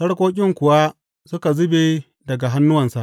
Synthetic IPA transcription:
sɐ˦ɽkʷoː˦k̬ʲʼɪ˦ŋkʷʊ˨wa˦ | sʊ˦ka˨zʊ˦be˨ | dɐ˨ɡa˨ɦa˦nːʊ˦wɐ˨nsa˨ʔ

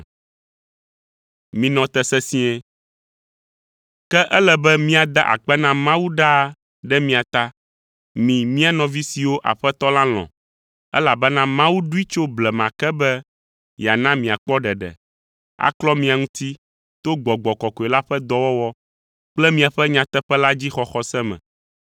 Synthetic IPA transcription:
mĩ˨nɔ̃˨t̪ɛ˦sɛ˦sĩ˦ɛ˦ | kɛ˦ʔɛ˦lɛ˨bɛ˦mĩ˦a˨d̪a̰˦ʔa̰˨k͡pɛ˦nã˦mã˦wu˦ɖa˦˨ | ɖɛ˦mĩ˦a˨t̪a˦ | mĩ˨mĩ˦a˨nɔ̃˨vi˦si˨wo˦ʔa̰˨ɸɛ˦t̪ɔ˦lã˦l̃ɔ̰̃˨ | ɛ̰˦la˨bɛ˦nã˦mã˦wu˦ɖu˦i˦t͡ʃo˦blɛ˨mã˨kɛ˦bɛ˦ | ja˨nã˦mĩ˨a˨k͡pɔ˦ɖɛ˨ɖɛ̰˨ | a̰˨klɔ˦mĩ˨a˨ŋũ˦t̪i˦ | t̪o˦ɡ͡bɔ˨ɡ͡bɔ˨kɔ˨kɔ˨ɛ˨la˦ɸɛ˦d̪ɔ˦wɔ˦wɔ˦ | k͡plɛ˦mĩ˨a˨ɸɛ˦ɲã˨t̪ɛ˦ɸɛ˦la˦d͡ʑi˦xɔ˨xɔ˦sɛ˦mɛ̰̃˨

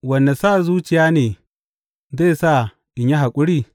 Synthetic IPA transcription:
wɐ˨nːa˨sa˦˨zuː˦t͡ʃɪ˨jaː˦neː˨ | ze˦˨sa˦˨ | ʔɪ˨ɲja˦ɦa˨kʷʼʊ˦ɽiː˦˨

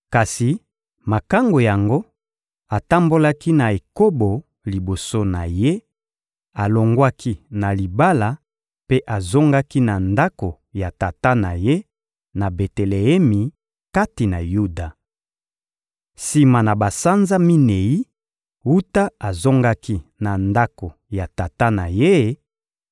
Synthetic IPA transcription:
ka˨si˨ | ma˨ka˦ŋɡo˨ja˨ŋɡo˦ | a˨ta˦mbo˦la˦ki˦na˨e˨ko˦bo˨ | li˨bo˨so˦na˨je˦ | a˨lo˨ŋɡwa˦ki˦na˨li˨ba˦la˨ | pe˦ʔa˨zo˦ŋɡa˦ki˦na˨nda˦ko˨ | ja˨ta˨ta˦na˨je˦ | na˨be˨te˨le˨ɛ˦mi˨ | ka˦ti˨na˨ju˦da˨ | si˨ma˨na˨ba˨sa˦nza˦mi˦ne˨ji˦ | u˦ta˦a˨zo˦ŋɡa˦ki˦na˨nda˦ko˨ja˨ta˨ta˦na˨je˦

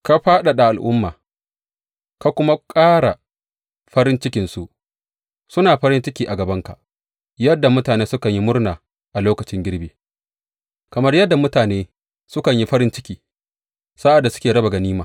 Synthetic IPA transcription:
ka˦ɸaː˦ɗa˨ɗa˨ʔa˨lʔʊ̰˦mːaː˨ | ka˦kʷʊ˦ma˦kʼaː˦ɽa˨ | ɸɐ˦ɾɪ˦nt͡ʃɪ˦kʲɪ˨nsu˦ʔ | sʊ˦naː˨ɸɐ˦ɾɪ˦nt͡ʃɪ˦kʲiː˦ʔa˨ɡɐ˨bɐ˦ŋka̰˨ʔ | jɐ˦dːa˨mʊ˦taː˨neː˦sʊ˦kɐ˨ɲji˦mʊ˦rnaː˨ | ʔa˨loː˦kɐ˨t͡ʃɪ˦ŋɡʲɪ˦ɽbeː˨ | kɐ˨mɐ˦rjɐ˦dːa˨mʊ˦taː˨neː˦ | sʊ˦kɐ˨ɲji˦ɸɐ˦ɾɪ˦nt͡ʃɪ˦kʲiː˨ | sa˦ʔa˨dːa˨sʊ̥˦kʲeː˨ɽɐ˦ba˨ɡa˨niː˦maː˨

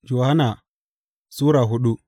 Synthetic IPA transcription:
d͡ʒo˨ha˦na˨ | su˦ɾa˨ɦu˦ɗu˦

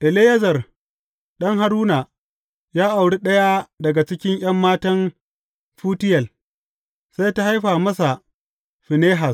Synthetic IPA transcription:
ʔɪ˨leː˦jɐ˦zɐ˨r | ɗɐ˦ŋɦa˦ɾuː˦na˨ | jaː˦ʔa˨wɽi˦ɗɐ˦ja˦dɐ˨ɡa˨t͡ʃɪ˦kʲɪ˦ŋʔj̰ɐ˦mːaː˦tɐ˦n | ɸuː˦tɪ˦jɐ˨l | sa˦jta˦ha˦jɸaː˨mɐ˦sa˨ | ɸɪ˨neː˦ɦa˨s

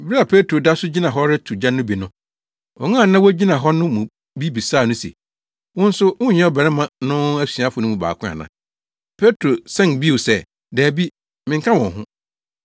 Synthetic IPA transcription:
bɪ˦i˦a˨pʰe˦tʰɾo˨da˦sʊ˦d͡ʑi˦nã˨ɦɔ˦ɾɪ˦tʰu˨d͡ʑã˦nʊ̃˦bi˨nʊ̃˦ | ɔ̰˨ŋãː˦˨˦nã˦wɔ˦d͡ʑi˦nã˨ɦɔ˦nʊ̃˦mũ˨ | bi˦bi˨saː˦˨nʊ̃˦sḛ˨ | wʊ̃˦n̩˦sʊ˦wʊ̃˦˨˦ɲɛ̃˦ɔ˦bɛ˨ɾɛ˦mã˨nʊ̃˦æ˦si˨a˦fʊ˨nʊ̃˦mũ˨ba̰ː˨kʰʊ̃˦a̰˨nã˨ | pʰe˦tʰɾo˨sɛ̃˦˨nbi˦wo˨sɛ˦ | dɛː˨bi˦ | mɪ̃˨ŋkʰã˦wɔ̃˨ɦʊ̰̃˦

